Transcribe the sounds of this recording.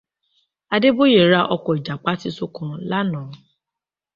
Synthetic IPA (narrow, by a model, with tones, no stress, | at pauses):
a˧de˦bo˦je˦˨ɾa˧ʔɔ˧kɔ˨i˨d͡ʒa˨k͡pa˦ti˦so˦kɔ̃˧la˦nãː˨˦